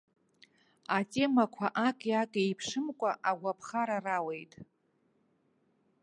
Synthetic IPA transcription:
atʼe̞makʷʰaʔakʼjakʼejpʰʂɨmkʷʼaʔaɡʷapʰχaɾarawe̞jtʼ

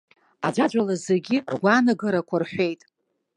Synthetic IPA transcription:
a̰d͡ʒʷad͡ʒʷʼalazeɡʲirɡʷaːnaɡɨɾakʷʰarħʷᶣe̞jtʼ

